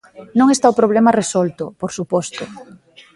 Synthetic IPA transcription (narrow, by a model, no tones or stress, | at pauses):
nõŋest̪aʊpɾoβ̞lemɐresɔlt̪ʊpoɾsupɔst̪ʊ